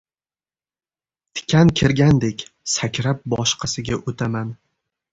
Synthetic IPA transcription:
t̪ʰɪ̥kʲʰankʲʰɪɾɡʲand̪ekʲsakʲɾap̚bɒʃqʰɑsɪɡʲaʔot̪ʰaman

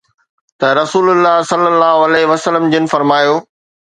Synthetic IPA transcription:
t̪ɐɾɐsuːlʊlːaːɦsɐlːəlːaːɦoɐlɛːɦɪʋɐsəlːəmd͡ʑɪnɪ̆fɐɾmaːjoː

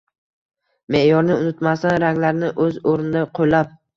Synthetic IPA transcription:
me̞ʔjɒɾnɪʊnɪt̪mast̪anɾaŋʲlaɾnɪʔɵzoɾnɪd̪aqʰojlap̚

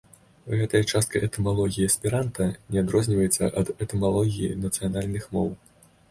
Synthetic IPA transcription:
ɣɛt̪ɐjɐt͡ʂast̪̚kɐjʔɛt̪ɛmalˠɔɣʲijiɐsʲpʲiɾant̪ɐnʲɛad̪ɾɔzʲnʲivɐjɛt̪sːɐ̰ʔɐd̪ɛt̪ɛmalˠɔɣʲijḭnɐt̪sɨjanalʲnɨxmɔw

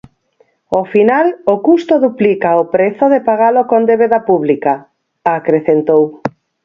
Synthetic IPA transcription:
ofinalokust̪oðuplikaopɾeθoðepaɣ̞alokond̪eβeðapuβlika | akɾeθent̪ow

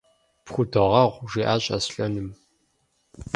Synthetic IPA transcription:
pxʷʊdɨʁɐʁʷʒiːʔaːɕʼɐsɬʼɐnɨm

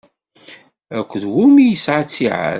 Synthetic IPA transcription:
ækʷːðwumijəsʕat͡sːiʕa̰

